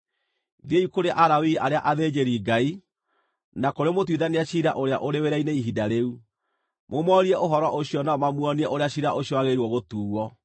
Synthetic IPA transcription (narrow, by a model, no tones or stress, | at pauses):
ðeikoɾeʔaɾawiaɾeaʔaðed͡ʑeɾiːɡai | nakoɾemotwiðaneaɕiɾaʔoɾea̰ʔoɾeweɾaineiɦidaɾeu | momɔɾiɛʔoɦɔɾɔʔoɕiɔnaɔmamwɔniɛʔoɾeaɕiɾaʔoɕiɔaɣeɾuwɔɣotuːɔ